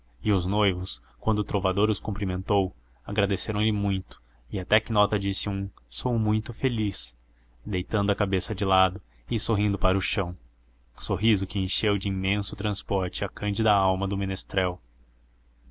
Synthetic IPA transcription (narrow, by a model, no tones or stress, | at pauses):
ɪʊznojvʊs | kwɐ̃nd̪ʊt̪ɾovad̪oɾʊskoũmpɾimẽnt̪ow | aɡɾad̪eseɾɐ̃w̃lɪmũj̃t̪ʊ̥ | ɪat̪ɛkɪnɔt̪ɐd͡ʒisɪũsowmũj̃t̪ʊfelis | d̪ejt̪ɐ̃nd̪ʊɐkabesɐd͡ʒɪlad̪ʊ | ɪsoɦĩnd̪ʊpaɾʊʃɐ̃w̃ | soɦizʊkɪẽʃewd͡ʒɪĩmẽsʊt̪ɾɐ̃spɔɾt͡ʃɪakɐ̃nd͡ʒɪd̪ɐawmɐd̪ʊmĩnest̪ɾɛw